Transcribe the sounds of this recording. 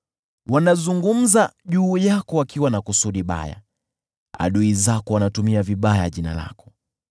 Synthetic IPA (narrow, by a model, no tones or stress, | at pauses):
wanazuŋɡum̩zaʄuːjakɔwakiwanakusuɗiɓa̰ja̰ | a̰ɗuizakɔwanatumiaviɓajaʄina̰la̰kɔ̥